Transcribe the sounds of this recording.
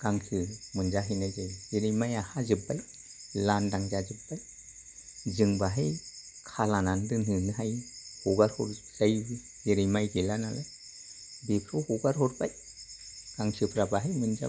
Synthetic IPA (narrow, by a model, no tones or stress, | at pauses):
ɡ̥aŋsʰɯmɯnzaɦɯjnajzajzeɾijmajahazɯbːaj | landaŋzazɯpːaj | zɯŋbaɦaj | kʰalanandɯnɯnɯɦajhɔɡaɾhɔ̰ɾzajbi | zeɾijmajɡelanalaj | bepʰɾɔhɔɡaɾɦɔɾbaj | ɡ̥aŋsʰɯpʰɾabaɦajmɯnza̰